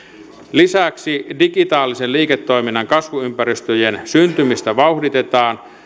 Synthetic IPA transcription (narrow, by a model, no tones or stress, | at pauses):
lisæksidiɡit̪ɑːlːiselliːket̪ːo̞iminːɑŋkɑsʋuympæɾyst̪øjensynt̪ymist̪æʋɑuhdit̪et̪ɑːn